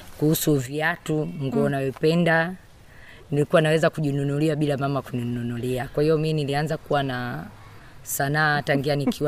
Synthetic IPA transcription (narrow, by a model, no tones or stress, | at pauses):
kuhusuviatuŋɡuɔnavipɛnda | nilikuwanawɛzakuʄinunuliaɓilamamakunununuliakwahijɔminilianzakuwana | sanaːataŋɡianikʰi